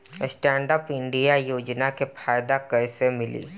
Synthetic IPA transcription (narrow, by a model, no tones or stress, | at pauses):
sʈɛ̃ːɳɖəpɪ̃ɳɖijajoːd͡ʒnakepʰaːɪd̪akɐɾsemɪlḭː